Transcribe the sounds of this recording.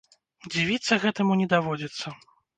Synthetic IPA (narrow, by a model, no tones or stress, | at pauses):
d͡zʲivʲit̪sːɐɣɛt̪ɐmunʲɛd̪avɔd͡zʲit̪sːɐ